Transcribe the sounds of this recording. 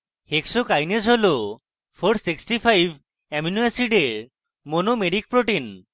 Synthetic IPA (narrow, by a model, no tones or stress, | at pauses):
heksokajnesɦolo | pʰoɾʈsiksʈipʰajb | ɛmunuasiɖeɾ | monomeɾik̚pɾoʈin